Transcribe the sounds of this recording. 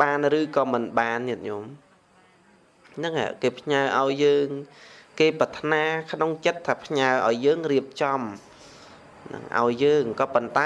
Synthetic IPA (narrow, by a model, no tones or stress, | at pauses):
ɓaːnrɨːkɑːmɨnɓaːnːiət̪̚ɲom | nɨŋʔa̰ʔkeːpʰɲaəʔaɔjːəːŋkeːpɑt̪ʰnaːkʰnoŋt͡ɕət̪ʰːaːpʰɲaəʔaɔjːəːŋriəp̚t͡ɕɑm | nɨ̰ŋʔa̰ɔjːəːŋkɑːpont̪a